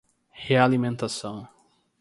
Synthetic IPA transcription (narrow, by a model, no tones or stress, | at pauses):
healimẽnt̪asɐ̃w̃